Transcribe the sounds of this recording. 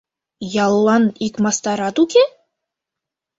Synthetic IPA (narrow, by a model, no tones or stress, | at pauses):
jɑlˠːɑnikmɑst̪ɑɾɑt̪ukʲe